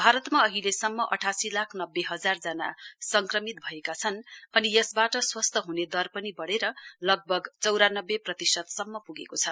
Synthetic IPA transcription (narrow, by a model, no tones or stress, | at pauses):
bʱaɾʌt̪maʌɦilesʌmːʌʔʌʈʰasilakʰnʌbːeɦʌd͡zard͡zʌna̰sʌŋkrʌmit̪̚bʱʌekat͡sʰʌnʌnijʌsbaʈʌswʌst̪ʌɦuned̪ʌrpʌnibʌɽeɾʌlʌɡ̚bʱʌɡt͡sʌwɾanʌbːeprʌt̪isʌt̪sʌmːʌpuɡekot͡sʰʌ